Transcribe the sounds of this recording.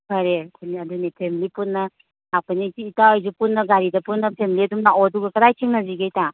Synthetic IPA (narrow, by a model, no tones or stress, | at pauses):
haɾekʰuniadunipʰemilipunːɐ | apanitiːtaɔjzupunːɐɡaɾidɐpunːɐpʰemiliɐdumnaoduɡɐkɐɾajkʰiŋnɐziɡejta